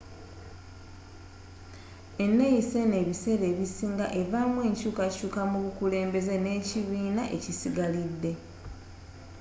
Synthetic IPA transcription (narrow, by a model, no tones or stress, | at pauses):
e̞nːejise̞ne̞βise̞ɾe̞ːβisiːŋɡa̰ʔe̞vaːmwe̞ːɲcuːkacuːkamuβukule̞ːmbe̞ze̞ne̞ːciβiːnaʔe̞̰cisiɡalidːe̞